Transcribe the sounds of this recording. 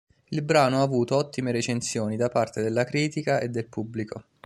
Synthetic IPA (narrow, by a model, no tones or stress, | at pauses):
ilbɾaːnoavuːt̪oɔt̪ːimeɾet͡ʃensjoːnid̪apart̪ed̪elːakɾiːt̪ikaed̪ːelpubːliko